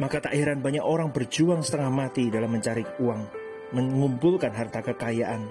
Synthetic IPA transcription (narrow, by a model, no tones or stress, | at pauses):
makat̪aʔhiɾanbaɲakoɾaŋbərd͡ʒuaŋsə̥t̪əŋahmat̪idalamːəɲt͡ʃaɾikuaŋ | məŋumpulkanɦart̪akəkajaʔan